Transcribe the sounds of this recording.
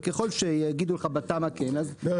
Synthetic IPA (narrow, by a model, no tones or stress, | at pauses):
keχo̞lʃejeɡid̪uleχabat̪amakenaz